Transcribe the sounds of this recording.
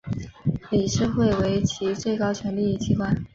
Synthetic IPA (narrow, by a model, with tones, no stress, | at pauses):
li˨˩ʂɻ̩˥˧xwe˥˩ɪwe˧˥ɪt͡ɕʰi˧˥t͡swe˥˩ɪkɑ˥ʊt͡ɕʰɥɛ˧˥nli˥˧i˥˩t͡ɕʰi˧˥kwa˥˩n